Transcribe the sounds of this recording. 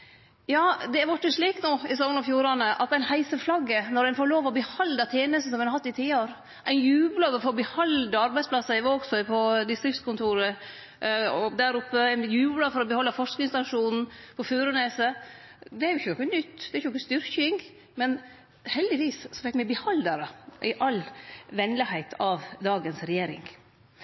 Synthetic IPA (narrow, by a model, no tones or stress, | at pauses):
jɑːd̪ɛʋɑʈːəʂɭiːknoːɪs̬ɔmənɔfjuːɾɑnəʔɑ̰t̪æɪnhæɪsəflɑɡːənɔɾæɪnfoːɭoːʋɔbəhɑld̪ɑt̪ʰjeːnəst̪n̩sɔmɛnhɑt̪ːɪt̪ʰiːoɾ | ʔæɪnjʉːblɑːʋəfɔɾɔbəhɑld̪əɑɾbæɪsplɑsːɑɪʋoːɡsœʏpʰɔd̪ɪst̪ɾɪft̪skʰʊnt̪ʰuːɾə | ɔd̪æɾʊpːəæɪnjʉːblɑfɔɾɔbəhɔlːɑfɔʂknɪŋst̪ɑʂuːnn̩pʰɔfʉːɾəneːsəd̪ɛæɾjʊɪçənɔkːənʏt̪ːd̪ɛɾçənɔkːəst̪ʏɾkɪŋ | mɛn | hɛld̪ɪʋiːssɔfɛkmɛbəhɑld̪ɑɾəʔɪʔɑlʋɛnlɪhæɪt̪ʰɑʋd̪ɑːɡənsɾɛjeːɾɪ̰ŋ